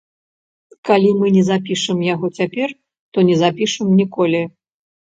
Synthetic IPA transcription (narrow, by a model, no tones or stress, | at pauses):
kalʲimɨnʲɛzapʲiʂɨmjaɣɔt͡sʲapʲɛr | t̪ɔnʲɛzapʲiʂɨmnʲikɔlʲi